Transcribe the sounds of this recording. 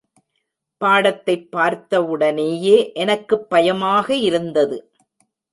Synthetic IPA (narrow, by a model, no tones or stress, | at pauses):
paːɽɐt̪ːɐɪpːaːɾt̪ɐɯɽɐneːjeːʔɛnɐkːɯpːɐjɐmaːɣɐɪɾɯnd̪ɐðɯ